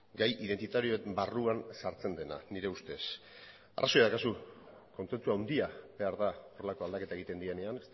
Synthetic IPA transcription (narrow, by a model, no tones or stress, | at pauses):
ɡajʔiðe̞nt̪it̪aɾio̞embaruansaɾt͡se̞nd̪e̞na̰niɾe̞ust̪e̞s | a̰raso̞jaðakasu | ko̞nt͡se̞nt͡suawnd̪iabe̞aɾðao̞re̞lako̞ald̪ake̞t̪ae̞ɣit̪e̞nd̪ie̞ne̞anes